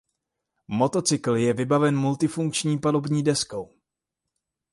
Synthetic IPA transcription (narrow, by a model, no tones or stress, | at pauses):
mo̞t̪o̞t͡sɪkl̩jɛvɪbavɛnmult̪ɪfuŋkt͡ʃɲiːpado̞bɲiːdɛsko̞w